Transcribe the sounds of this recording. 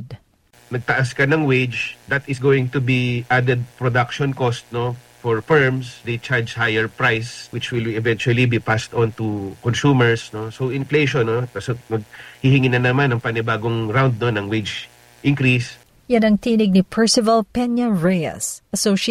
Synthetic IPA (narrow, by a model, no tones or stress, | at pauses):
d̪ | nɐɡ̚t̪ɐʔaskɐnɐŋwed͡ʒd̪ɐt̪ɪsɡowɪŋt̪ubiʔad̪ɛd̪̚pɹod̪akʃɔnkost̪̚no | fɔɹfɛɹmsd̪ejt͡ʃaɹd͡ʒhajɛɹpɹajswɪt͡ʃwɪlɛvɛ̃nt͡ʃuɐlibipast̪ɔ̃nt̪ukɔnsumɛɹsnosowɪ̃nfleʃonːot̪asmɐɡ̚hihɪŋinɐnɐmanɐŋpɐnɪbaːɡoŋɾawnd̪̚nonɐŋwed͡ʒ | ʔɪ̃ŋkɾis | janɐŋt̪iːnɪɡ̚nipʰɛɹsɪvɐlpɛnjɐɹejɐ̰sʔɐsoʃ